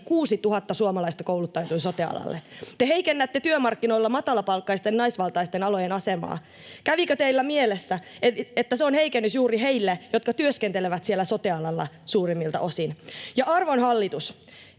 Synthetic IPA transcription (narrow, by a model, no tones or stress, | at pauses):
kuːsit̪uɦɑt̪ːɑsuomɑlɑist̪ɑkowlut̪ːɑjot̪uinso̞t̪eɑ̰lɑ̰lːet̪eɦeikenːæt̪ːet̪yømɑrkːino̞ilːɑmɑt̪ɑlɑpɑlkːɑist̪ennɑisʋɑlt̪ɑist̪enɑlo̞jenɑsemɑ̰ː | kæʋikøt̪eilːæmielesːæ | et̪ːæseonheikenːysjuːɾiɦeilːejo̞t̪kɑt̪yøskent̪eleʋæt̪sielːæso̞t̪eɑlɑlːɑ̰ | suːrimːilt̪ɑ̰ʔo̞sinjɑʔɑrʋonhɑlːit̪us